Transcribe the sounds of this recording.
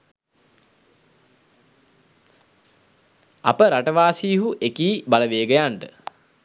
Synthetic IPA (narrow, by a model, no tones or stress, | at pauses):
a̰pəɾaʈəʋaːsiːɦuʔekiːbaləʋeːɡəjaɳʈə